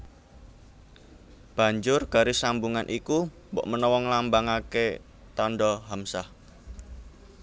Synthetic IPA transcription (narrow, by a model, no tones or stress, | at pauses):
b̥a̤ɲd͡ʒʊrɡ̥a̤ɾesambuŋanʔiku | mbɔ̰ʔmənɔwɔŋlambaŋake | t̪ɔnɖɔɦamsah